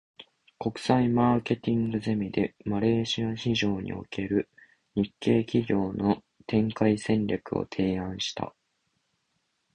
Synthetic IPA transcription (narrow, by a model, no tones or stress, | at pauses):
ko̞kɯ̟̥saimaːke̞t̪ʲĩŋɡɯ̟ze̞mʲid̪e̞maɾe̞ːɕiaçiʑo̞ːɲ̟ʔḭo̞̰ke̞ɾɯ̟ | ɲikːe̞ːkʲiɡʲo̞ːno̞ | t̪ẽ̞ŋkaisẽ̞nɾʲakɯ̟o̞̰t̪ʰe̞ːãɰ̃ɕi̥t̪a̰